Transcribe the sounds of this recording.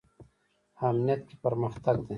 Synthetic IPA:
aːmnijɐt̪̚kipɐɾməxt̪ɐɡd̪ẽː

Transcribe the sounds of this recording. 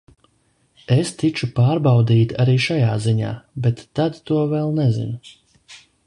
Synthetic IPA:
est̪it͡ʃupaːɾbawd̪iːt̪aɾiːʃajaːziɲa̰ːbet̪ːad̪t̪uɔvɛlˠnɛzḭn

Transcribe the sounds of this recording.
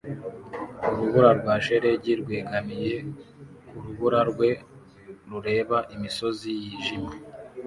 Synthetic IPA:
uɾuβuɾaɾɡwaːʃe̞ɾe̞ɟiɾɡweːɡamije̞kuɾuβuɾaɾɡwe̞ | ɾuɾe̞ːβaʔimiso̞zijiːʒima

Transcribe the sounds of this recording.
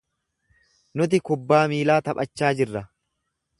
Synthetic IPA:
nʊt̪̬ɪkʊbːaːmiːlaːt̪ɐpʼɐt͡ʃːaːd͡ʒɪrːɐ

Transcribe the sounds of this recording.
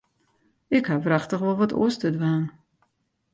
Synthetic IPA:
ɪkhavraxtəχʋɔlˠʋɔtṵəstədʋaːn

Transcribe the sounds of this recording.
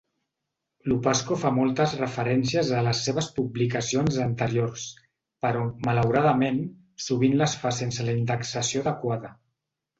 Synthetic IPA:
lupaskofamɔlˠt̪əzrəfəɾɛnsiəzələsːeβ̞əspublikəsionzənt̪əɾiors | pəɾɔmələwɾaðəmen | suβ̞inləsfasensələind̪əksəsioðəkwaðə

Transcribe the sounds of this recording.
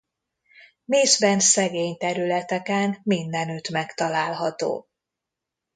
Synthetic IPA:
meːzbɛnsɛɡeːɲt̪ɛɾylɛt̪ɛkɛnmind̪ɛnyt̪mɛkt̪ɒlaːlɦɒt̪o̰ː

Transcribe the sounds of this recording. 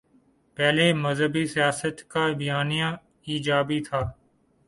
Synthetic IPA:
pɛːleːməzɦəbiːsɪjaːsət̪kaːbɪjaːnijãː | iːd͡ʒaːbiːt̪ʰaː

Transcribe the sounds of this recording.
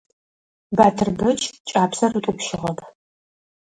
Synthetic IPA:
baːtʰɨrbɐt͡ʃʼt͡ʃʼaːpsɐrutʼʊpʃɪʁɐpʰ

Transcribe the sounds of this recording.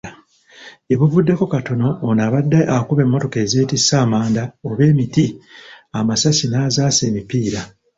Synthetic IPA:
e̞βuvudːe̞ko̞kato̞no̞ːnaβadːaʔakuβe̞mːo̞to̞ke̞ːze̞ːtisːaːmaːndaoβe̞ːmitiamasasinaːzaːse̞ːmipiːɾa

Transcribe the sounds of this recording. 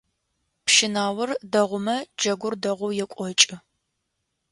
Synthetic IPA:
pʃɪnaːwʊrdɐʁʷʊmɐd͡ʒɐɡʷʊrdɐʁʷʊwjɛkʷʼɔt͡ʃʼɪ

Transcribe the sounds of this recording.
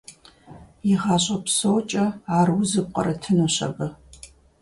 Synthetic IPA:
jɪʁɑːɕʼɐpsoːt͡ʃʼɐaːrwuzɨb̚qʼɐ̰ɾɐtʰɨnoɕɐ̰ɣɐ

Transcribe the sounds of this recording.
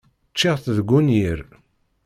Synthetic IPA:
t͡ʃːeʁθðɡːunjiɾ

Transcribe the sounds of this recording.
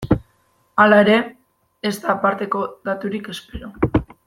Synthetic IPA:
alae̞ɾe̞ː | zt̪aːpaɾt̪e̞ko̞ðat̪uɾike̞spe̞ɾo

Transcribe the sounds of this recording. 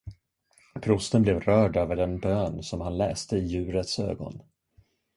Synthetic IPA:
pʰɾʊst̪ənblɛvɾœːɖøːvəɖɛnbøːnsɔmhanlɛːst̪əɪjʉ̟ːɾət̪sø̰ːɡɔ̰n

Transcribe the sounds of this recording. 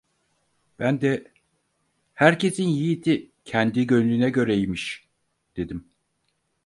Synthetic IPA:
b̥ænd̪ɛ | hæɾcʰe̞sinjijit̪ʰi | cʰɛnd̪iɟø̞nylʲynɛɟø̞ɾɛjimiʃ | d̪̥e̞d̪im

